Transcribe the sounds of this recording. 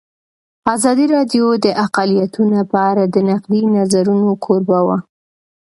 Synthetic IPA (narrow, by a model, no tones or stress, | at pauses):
azɑd̪iɾɑd̪jod̪əʔaqalijat̪ʰunapaaɾad̪ənaqlinazaɾunokʰoɾbawa